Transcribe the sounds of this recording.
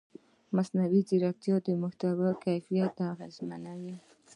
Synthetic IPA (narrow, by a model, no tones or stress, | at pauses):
masnawidɪɾak̚t̪jɑd̪əmʊht̪awakajfijat̪̚aɣazmanawi